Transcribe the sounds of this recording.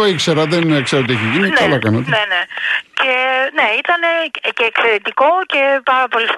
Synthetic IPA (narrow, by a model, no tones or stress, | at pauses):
oikseɾɐðenkseɾot̪ieçiʝininɐlɐkɐnɐt̪eenecʰe̞ne̞it̪ɐne̞ceːkse̞ɾet̪iko̞ce̞pɐɾɐpo̞lis